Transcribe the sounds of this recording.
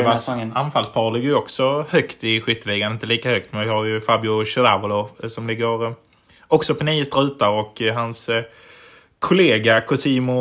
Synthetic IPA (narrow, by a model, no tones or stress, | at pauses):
vaanfalspʰɑːlɪɡːəɾjɔksɔhœkt̪ɪɧʏt̪ːəlɪɡanɪnt̪əliːkahœk̚t̪mɛnvɪhaɾjɵfabjʊʃɛɾavʊlɔsɔmlɪɡːəɾ | ɔksɔpʰɔniːəst̪ɾʉ̟ːt̪aɾɔkɦans | kʰʊleːɡakʰʊsiːmʊ